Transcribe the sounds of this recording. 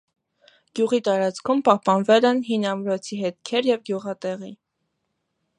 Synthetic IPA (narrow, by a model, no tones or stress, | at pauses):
ɡ̥juʁit̪ɑɾɑt͡skʰumpɑhpɑnvɛlɛnɦinɑmɾɔt͡sʰiɦɛt̪kʰɛɾjɛvɡjuʁɑt̪ɛʁi